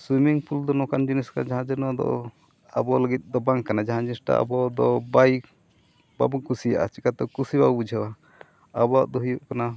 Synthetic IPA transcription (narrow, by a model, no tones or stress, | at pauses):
swimiŋpʰuld̪ɔnɔkand͡ʒiniskanad͡ʒaɦãd͡ʒənɔad̪ɔ̰ | a̰bɔləɡit̪̚ˀd̪ɔbaŋkːanad͡ʒaɦãd͡ʒinisʈa̰a̰bɔd̪ɔbajk | ba̰bukusija̰ʔa̰t͡ʃikat̪ɔkusibawbud͡ʒʱɛwa | abɔaʔd̪ɔɦujuʔkana